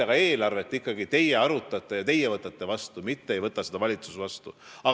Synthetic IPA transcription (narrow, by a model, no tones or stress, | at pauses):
eɡ̥ɑe̞ːlɑrve̞t̪ːˑikːɑɡit̪e̞je̞ɑɾut̪ːˑɑt̪ːˑejɑt̪e̞jːevɤt̪ːˑɑt̪ːˑe̞vɑst̪umit̪ːeejvɤt̪ːˑɑsed̪ɑvɑlʲit̪su̥svɑst̪ṵɑ